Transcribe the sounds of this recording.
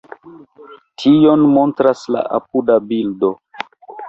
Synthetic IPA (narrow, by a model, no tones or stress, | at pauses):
tʰijo̞nmo̞ntɾasla̰ʔa̰p̚udabildo̞